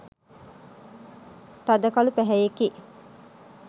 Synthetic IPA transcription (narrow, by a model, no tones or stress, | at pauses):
t̪ɐd̪ɐkɐlupæɦɛjeki